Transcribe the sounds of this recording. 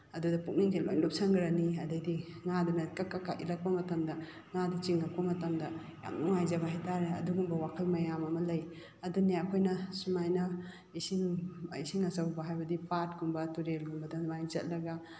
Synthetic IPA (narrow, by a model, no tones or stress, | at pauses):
ɐdudɐpuk̚niŋɡelo̰jlop̚saŋɡɾaniɐdɐjdiŋadunɐkakːakːaʔḭlɐk̚pɐmɐtɐmdɐ | ŋadit͡ʃiŋɐk̚pɐmɐtɐmdɐ | ja̰mnuŋajzɐβɐɦajtaɾeɐ̰duɡumbɐwakʰɐlmɐjamɐmɐlɐj | ɐduneɐkʰojnɐsumajnɐ | isiŋisiŋɐsɐwbɐɦajbɐdipat̚ɡuŋbɐtuɾelɡuŋbɐdɐmajzɐt̚lɐɡɐ